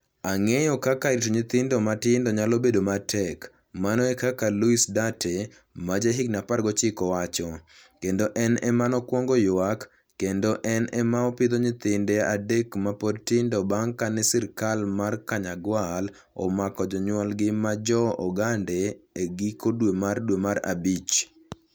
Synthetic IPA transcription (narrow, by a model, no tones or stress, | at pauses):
aŋejɔkakaɾitoɲɪt̪ɪndomatɪndɔɲalobedomatʰɛk | manɔɛkakaluisdatʰe | mad͡ʒeɦɪɡnapaɾɡɔt͡ʃɪkɔwat͡ʃɔkendoʔɛnɛmanɔkwɔŋɡojakː | endoʔɛnɛmaɔpɪd̪oɲɪt̪ɪndɛadekmapodtɪndɔbaŋkanɛsɪɾkalmarkaɲaɡwal | ɔ̰makɔd͡ʒɔɲwɔlɡɪmad͡ʒɔɔɡandeːɡɪkodwemardwemaɾa̰bit͡ʃ